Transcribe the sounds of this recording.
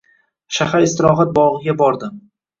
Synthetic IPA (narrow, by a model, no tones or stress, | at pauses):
ʃahaɾɪst̪ɪɾɒɦat̪̚bɒʁɨɡʲabɒɾd̪ɪ